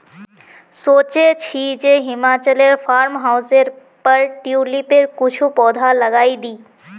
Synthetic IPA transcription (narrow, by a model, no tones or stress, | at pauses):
soːt͡ʃet͡ʃʰid͡ʒeɦimaːt͡ʃəleɾpʰaːɾmɦawzeɾ | pəɾʈiulipeɾkut͡ʃʰupɔːd̪ʱaləɡaːid̪iː